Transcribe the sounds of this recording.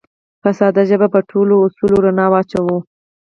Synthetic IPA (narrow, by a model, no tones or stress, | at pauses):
fasɑd̪aʒəbapəʈʰoloːsuloɾanɑwɑt͡ʃawo